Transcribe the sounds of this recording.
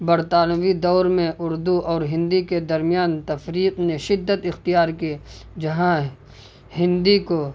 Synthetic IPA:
bɐɾt̪aːnəʋid̪ɔːɾmẽʔʊɾd̪uʔɔːɾɦɪ̃nd̪iked̪ɐɾmijaːnt̪ɐfɾiːqneʃɪd̪ːət̪ɪxt̪ijaːɾki | d͡ʒɐɦã | hɪ̃nd̪iko

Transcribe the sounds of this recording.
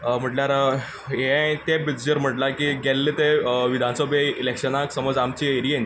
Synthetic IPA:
m̤əʈljaɾ | eat̪ẽbidd͡ʑəɾm̤əʈlakiɡelːet̪eʋid̪ʱansəbʱeilekɕənaksəməd͡zamt͡ɕieɾiẽn

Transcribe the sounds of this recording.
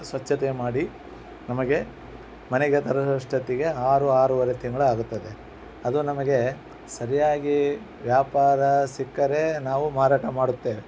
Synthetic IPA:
sʋɐt͡ʃːɐt̪emaːɽi | nɐmɐɡe̞ | mɐneɡet̪ɐɾɐɐʂʈɐt̪ːiɡe̞aːɾuaːɾuʋɐɾet̪iŋɡɐɭuaːɡut̪ːɐd̪e | ɐd̪unɐmɐɡe̞ | sɐɾijaːɡi | ʋjaːpaːɾɐsikːɐɾe̞naːʋumaːɾaːʈɐmaːɽut̪ːeːʋe

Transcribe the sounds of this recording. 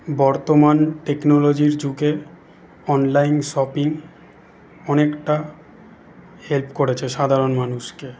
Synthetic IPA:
bɔɾt̪omanʈeknolod͡ʑiɾd͡ʑuɡe | ɔnlajnʃɔpiŋ | ɔnekʈa | helpkoɾet͡ɕʰeʃad̪ʱaɾonmanuʃke

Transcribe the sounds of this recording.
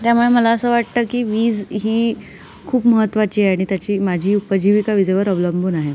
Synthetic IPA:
t̪jamuɭeməlaəsəːʋaʈ̚t̪əkiːʋiːd͡zɦiː | kʰuːpməɦət̪ːʋat͡ɕiːeaɽ̃it̪jat͡ɕiːmad͡ʑʱiːupəd͡ʑʱiʋikaʋid͡zʱeʋəɾɔbləmbʱunaɦe

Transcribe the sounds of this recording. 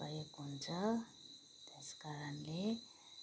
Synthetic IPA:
ajekɦunt͡sʌ | t̪eskaɾanle

